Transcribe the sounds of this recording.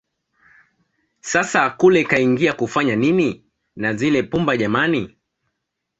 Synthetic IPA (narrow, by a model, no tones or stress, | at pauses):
sasakulɛkaiŋɡiakufaɲanini | nazilɛpumbaʄamani